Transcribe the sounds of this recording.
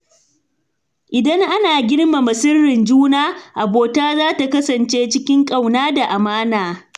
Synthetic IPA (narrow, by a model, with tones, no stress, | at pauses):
ʔɪ˨dɐ˦ŋʔa˦naː˨ɡʲɪ˦rma˨mɐ˨sɪ˦rːɪ˨nd͡ʒuː˦naː˦ʔa˨boː˨taː˦zaː˦ta˨kɐ˦sɐ˨nt͡ʃeː˦t͡ʃɪ˦kʲɪ˦ŋkʼa˦˨wnaː˦da˨ʔa˨maː˦naː˨